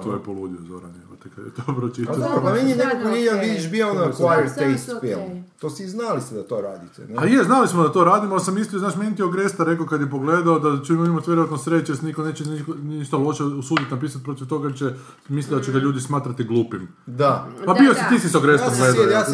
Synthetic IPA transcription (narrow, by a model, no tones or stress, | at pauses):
t̪ʋo̰jepolud̪iozo̰ɾa̰nekot̪ekad̪jɛ̰t̪opɾot͡ʃid̪aamenienekokonid̪anʋid̪iʃbioonaklat̪est̪fjelt̪osiːznalist̪ed̪at̪oɾaːd̪it̪ɛ̰nɛajeznalismod̪at̪o̞ɾaːd̪imoalisamislioznaːʃmenʲit̪ioɡɾest̪aɾe̞kokad̪jepoɡleːd̪aod̪at͡ʃeimaimat̪ʋʲjeɾoʋat̪nosɾet͡ʃjesnikoneːt͡ʃenikoniʃt̪alˠo̞ʃeusuːd̪it̪napiːsat̪̚pɾo̞t̪iʋt̪oɡaet͡ʃɛ | mislid̪at͡ʃeɡaʎuːd̪ismaːt̪ɾat̪iɡlˠuːpim | d̪apabiosit̪iːsisoɡɾesomɡled̪aja